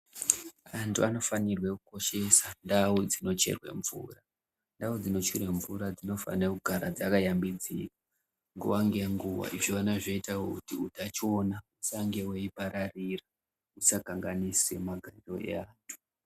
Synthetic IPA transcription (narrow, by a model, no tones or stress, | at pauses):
antʰuano̞fanirwekuko̞ʃe̞sandawod͡zino̞t͡ʃe̞̰rwe̞̰ɱvṵra | ndaod͡zino̞t͡ʃuɾe̞ɱvuɾad͡zino̞fa̰nekuɡʱaɾad͡zakajambid͡zḭka | ŋɡṵwaŋɡeŋɡuwa̰ʔiʐoanaʐeitawokutiudʱat͡ʃo̞nausaŋɡe̞weipaɾarira | usakaŋɡanise̞̰maɡʱaɾo̞e̞̰aːntʰu̥